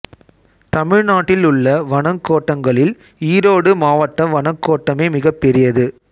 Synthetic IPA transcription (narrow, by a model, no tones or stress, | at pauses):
t̪ɐmɪɻnaːʈːɪlʊɭːɐʋɐɳɐŋkːoːʈːɐŋɡɐɭɪl | iːɾoːɽɯmaːʋɐʈːɐʋɐɳɐŋkːoːʈːɐmeːmɪɣɐpːɛɾɪjɐðɯ